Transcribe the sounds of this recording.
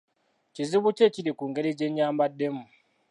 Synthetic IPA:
t͡ʃiziβut͡ʃet͡ʃiɾikuŋɡeɾed͡ʒeɲɲaːmbadːemu

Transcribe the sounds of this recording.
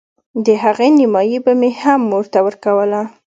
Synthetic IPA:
d̪əɦaɣenɪmɑjibamehamːoɾt̪awəɾkawəla

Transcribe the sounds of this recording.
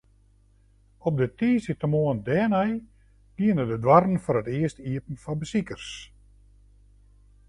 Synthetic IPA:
ɔp̚dətiːsətəmoəndɛːnɛj | ɡ̥iənədədwarn̩fɔrətɪəstiəpn̩fɔbəsikərs

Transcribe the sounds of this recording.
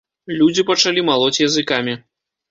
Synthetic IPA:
lʲud͡zʲipɐt͡ʂalʲimalˠɔt͡sʲjɐzɨkamʲi

